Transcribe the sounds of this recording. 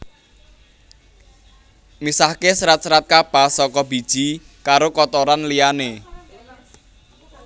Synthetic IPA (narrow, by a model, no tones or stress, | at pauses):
misahkesɾat̪̚sɾat̪̚kapasɔkɔb̥i̤d̥ʒ̥i | kaɾokɔt̪oɾanliane